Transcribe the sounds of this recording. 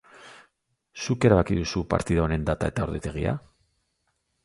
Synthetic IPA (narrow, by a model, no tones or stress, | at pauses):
suke̞ɾaβakiðusupa̰ɾt̪iðaone̞nd̪at̪ae̞t̪ao̞ɾðet̪e̞ɣ̞ia̰